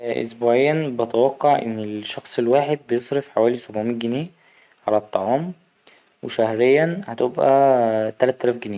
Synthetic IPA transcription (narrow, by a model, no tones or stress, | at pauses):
ʔo̰sbuːʕejːænbɑt̪æwɑqːɑʕʔḛnːelʃːɑxsˤelwaːħed̪̚bejesˤɾefħawæːlisobʕmiːnɡɪniː | ʕalæt̪ˤːɑʕɑːm | weʃæhɾejːænhæt̪ebʔæt̪ælæt̪ːælæːfɡɪniː